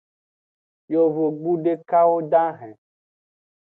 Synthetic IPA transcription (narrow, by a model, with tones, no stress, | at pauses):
jo˨vo˨ɡ͡bu˦ɖe˦ka˦wo˦ɖã˦ɦɛ̃˨